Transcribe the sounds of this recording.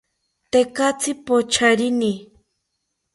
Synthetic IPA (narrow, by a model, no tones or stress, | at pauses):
t̪ekat͡sʰɪpot͡ʃʰaɾɪni